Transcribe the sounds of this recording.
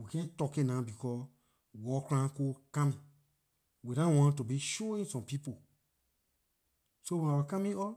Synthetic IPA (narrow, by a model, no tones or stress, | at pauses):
wikɛ̃tɔkenãbikɔ | wɔkulãkoːkãmĩ | wiɾãwɔ̃tubiʃoĩsɔ̃mpipo | sowɔ̃nãwakãmĩɔ